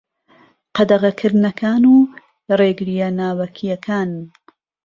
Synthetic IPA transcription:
qɑd̪ɐʁɐkʰɨɾnɐkʰaːnuː | reːɡɨɾijɐnaːwɐkʰijɐkʰaːn

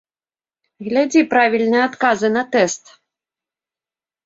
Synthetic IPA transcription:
ɣlʲad͡zʲipɾavʲilʲnɨjɛat̪kazɨnɐt̪ɛst̪

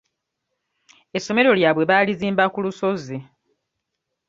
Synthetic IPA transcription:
esːo̞me̞ɾo̞ljaːβwe̞βaːliziːmbakuluso̞ze

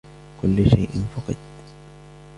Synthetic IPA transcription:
kʊlːʊʃajʔɪ̰nfʊqɑd̪

